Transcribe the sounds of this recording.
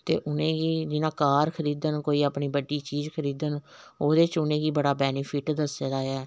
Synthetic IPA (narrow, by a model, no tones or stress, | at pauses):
t̪ḛːʔʊnẽːɡiːd͡ʒɪnãːkaːɾkʰəɾiːd̪ənkoːiːaːpɳiːbəɖːiːt͡ʃiːzkʰəɾiːd̪ənoːd̪eːt͡ʃʊnẽːɡiːbəɽaːbɛːnipʰɪʈd̪əseːd̪aːaː